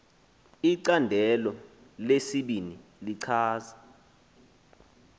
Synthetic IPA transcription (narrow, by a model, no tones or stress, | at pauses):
iǀandʱɛlɔ | lesiɓiniliǀʰaːza